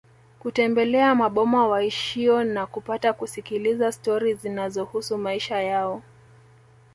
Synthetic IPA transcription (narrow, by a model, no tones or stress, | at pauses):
kutɛmbɛlɛamaɓɔmawaiʃiɔnakupatakusikilizastɔɾizinazɔhusumaiʃajaɔ